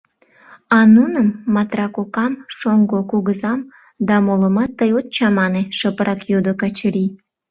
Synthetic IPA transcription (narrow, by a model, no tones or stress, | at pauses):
ɑnunəmːɑt̪rɑkokɑmʃoŋɡokuɣəzɑm | d̪ɑmoləmɑt̪ːəjot̪̚t͡ɕɑmɑneʃəpəɾʔɑkjod̪okɑt͡ɕəɾi